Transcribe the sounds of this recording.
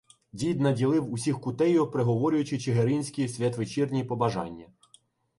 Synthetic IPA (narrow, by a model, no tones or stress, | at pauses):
dʲijd̪nɐdʲilˠɪwusʲixkʊt̪ɛjʊpɾeɦɔʋɔɾʲʊjʊt͡ʃɪt͡ʃɪɦeɾinʲsʲkʲisʲʋʲɐt̪ʋɪt͡ʃirnʲipɔbɐʒɑ̰nʲːɐ